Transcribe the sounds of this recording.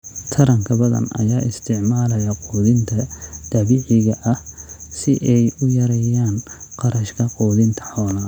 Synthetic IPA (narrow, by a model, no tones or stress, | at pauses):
t̪ʰɐɾɐŋkʰɐbɐðɐ̰nɐ̰jaːɪst̪ʰɪʕmaːlɐjɐquːðɪnt̪ʰɐd̪̥ɐβɪʕɪɣɐʔɐhsɪʔɛjʊjɐɾɛjaːnqɑɾɐʃkʰɐqɔːðɪnt̪ʰɐ̥ħɔːlɐ